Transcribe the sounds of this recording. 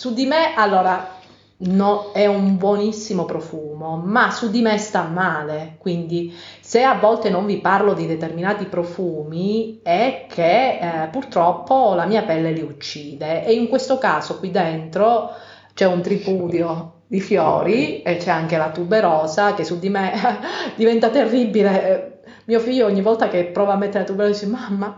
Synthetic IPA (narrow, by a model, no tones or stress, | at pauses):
sud̪imeʔalːoːɾa | noɛumbwonisːimopɾofuːmomasud̪imest̪amːaːlekwind̪iseavːɔlt̪enoɱviparlod̪id̪et̪erminaːt̪ipɾofuːmiɛkʰːepːurt̪ɾɔpːolamiːapɛlːeliut͡ʃːiːd̪eʔːiŋkwest̪okaːsokwid̪ːent̪ɾo | t͡ʃɛunt̪ɾipuːd̪jo | d̪ifjɔ̰ːɾiet͡ʃːɛaŋk̟elat̪ubːeɾɔːzakesːud̪imed̪ivɛnt̪at̪erːibːile | miːofiʎːoɔɲːivːɔlt̪akepːɾɔːvamːet̪ːeɾelat̪ubːeɾɔsimamːa